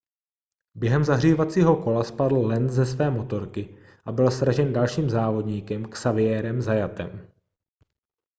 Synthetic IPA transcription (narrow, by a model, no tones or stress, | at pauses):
bjɛɦɛmzaɦriːvat͡siːɦo̞ko̞laspadl̩lɛnzɛsvɛːmo̞t̪o̞ɾkɪ | ʔabɪlsɾaʒɛndalʃiːmzaːvo̞dɲiːkɛmksavɪjɛːɾɛmzajat̪ɛ̰m